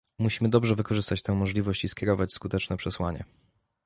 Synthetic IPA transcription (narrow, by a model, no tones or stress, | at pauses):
muɕimɘd̪ɔbʐɛvɘkɔʐɘst̪at͡ɕt̪ɛ̃w̃mɔʐlʲivɔɕt͡ɕiskʲɛɾɔvat͡ɕskut̪ɛt͡ʂnɛpʂɛswaɲɛ̰